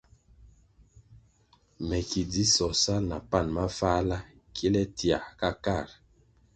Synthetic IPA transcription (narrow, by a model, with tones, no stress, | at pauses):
mɛ˨ki˨di˦sɔ˨sa˦na˨pa˦˨nma˦fa˦la˦ | kʰi˦lɛ˦ti˨a̰˨ka˦ka˦˨ɾ